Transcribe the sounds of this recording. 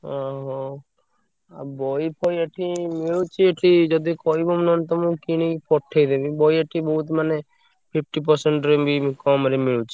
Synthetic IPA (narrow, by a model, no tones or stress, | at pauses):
ɔɦɔ | a̰bɔjpʰɔjeʈʰimiɭut͡ʃʰieʈʰid͡ʒɔd̪ikɔibɔmnɔnt̪ɔmũkiñikipʰɔʈʰːejd̪ebibɔjeʈʰibɔɦut̪mane | pʰip̚ʰʈipɔɾseɳʈɾembikɔmaɾimiɭut͡ʃʰi̥